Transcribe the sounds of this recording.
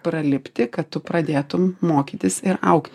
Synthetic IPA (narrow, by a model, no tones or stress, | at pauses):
pɾɐlʲɪpʲt̪ʲɪkɐt̪tʊpɾɐd̪ʲeːt̪ʊmːoːkʲiːt̪ʲɪsɪɾɐʊkt̪ʲ